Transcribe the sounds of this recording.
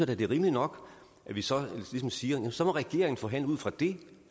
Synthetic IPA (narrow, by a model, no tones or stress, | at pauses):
ɐd̥æd̥e̝ʁiːməlinɒ̽ɡ̥ | ʔæʋisɒ̽lismsiːɐjæmnsɒ̽mɒ̽ʁɛɡ̥e̝̰ɐ̰eŋn̩fɒ̽ɦæn̰ləuð̞̰ˠfʁɑ̈d̥e̝